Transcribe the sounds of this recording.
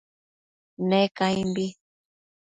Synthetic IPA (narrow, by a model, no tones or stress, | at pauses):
nekajmbi